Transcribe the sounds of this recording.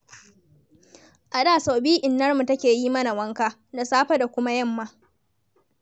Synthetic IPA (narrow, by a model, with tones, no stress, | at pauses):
ʔa˨ɗaː˦˨sa˨biː˦ʔɪ˨nːɐ˦rmu˨tɐ˦kʲeː˨jiː˦mɐ˦na˨wɐ˦ŋkaː˦ | da˨saː˦ɸɐ˦da˨kʷʊ˦ma˦jɐ˦˨mːaː˦